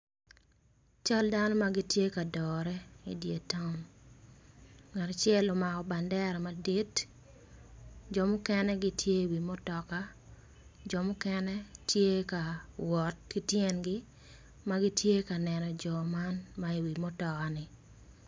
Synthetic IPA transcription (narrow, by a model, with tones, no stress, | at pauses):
t͡ʃa˦ldanɔ˦ma˦ɡi˦tje˦ka˨dɔɾɛ˦ḭ˨dje˨ta˦n | ŋa˨ɾa˨t͡ʃɛ˦lɔ˨ma˨kɔ˨ba˨ndɛ˦ɾmadi˦t | d͡ʒɔ˨mʊ˦kɛ˦nɛ˦ɡɪ˦tʰje˦i˨wi˨mo˦tɔ˨ka˦ | d͡ʒɔ˨mʊ˦kɛnɛ˦tje˦ka˨wɔ˨t̚kɪ˦tjɛ˦nɡɪ˦ | ma˦ɡɪ˦tje˦ka˨nɛ˨nɔ˨d͡ʒɔ˨ma˦nmai˨wi˨mo˦tɔ˨ka˨nɪ˨